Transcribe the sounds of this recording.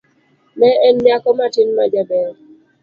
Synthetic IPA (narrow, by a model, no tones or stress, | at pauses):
mɛɛndjakɔmatinmad͡ʒabɛɾ